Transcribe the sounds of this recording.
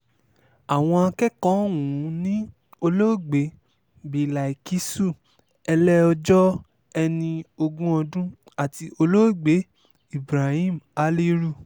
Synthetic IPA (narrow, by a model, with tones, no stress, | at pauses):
a˨w̃ɔ̃˧a˧kɛ˦kɔ̃˦wũ˨˦nĩ˦ | o˧lo˦˨ɡ͡be˨˦ | bi˨la˨i˨ki˨˦su˦˨ | ɛ˧lɛ˦ɔ˧d͡ʒɔ˦ | ɛ˧nĩ˧o˧ɡũ˦ɔ˧dũ˦ | a˦˨ti˧o˧lo˦˨ɡ͡be˨˦ | i˦˨bɾa˨hĩ˦˨ma˨˦li˦ɾu˦˨